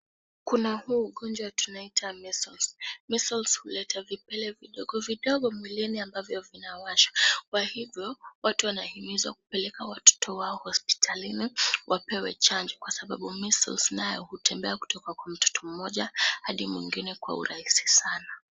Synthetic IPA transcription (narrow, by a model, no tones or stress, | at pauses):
kunahuːɠɔnd͡ʒwatunaitʰamisɔlsmisɔlshulɛtavipɛlɛviɗɔɠɔviɗɔɠɔmilɛniambavjɔvinawaʃḁkwahivjɔwatuwanahimizwaku̥pɛlɛkawatɔ̥tʰɔwaɔhɔspi̥tʰaliniwʔapɛwɛ̰t͡ʃand͡ʒɔkwasaɓaɓumisɔ̰lsnajɔhutʰɛmbɛaku̥tɔkakwam̩tɔ̥tɔm̩mɔʄahaɗimwḭŋɡinɛkwa̰ṵɾahisi̥sana